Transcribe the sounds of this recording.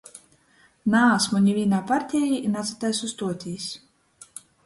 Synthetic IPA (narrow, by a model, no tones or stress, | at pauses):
naːsmuɲʲivʲiːnaːpaɾt̪ʲɛːjiʔnat̪sɨ̥t̪ajsust̪uɔt̪ʲiːs